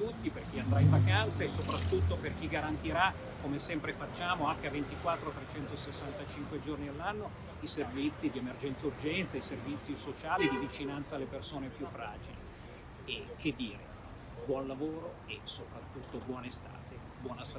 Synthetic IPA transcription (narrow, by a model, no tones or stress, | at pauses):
t̪ut̪ːiperk̟iand̪ɾajĩvakant̪saesːopɾat̪ːut̪ːoperk̟iɡaɾant̪iɾa | komesɛmpɾefat͡ʃːaːmoaŋk̟eavent̪ikwat̪ːɾot̪ɾet͡ʃɛnt̪osesːant̪at͡ʃiŋkwed͡ʒornialːanːo | iservit̪sːid̪iemerd͡ʒɛnt̪surd͡ʒɛnt̪saiservit̪sːisot͡ʃaːlid̪ivit͡ʃinant̪saːlːepersoːnepjufːɾaːd͡ʒili | ek̟ʰːed̪ːiːɾe | bwɔnlavoːɾo | esopɾat̪ːut̪ːobwɔːnest̪a̰ːt̪e | bwɔːnas